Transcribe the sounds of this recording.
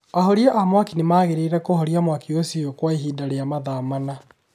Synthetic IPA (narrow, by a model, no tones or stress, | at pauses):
ahoɾiɛʔamwakinemaːɣeɾeiɾɛkohoɾiamwakiosiokwaeɦiːdaɾeamaðaːmana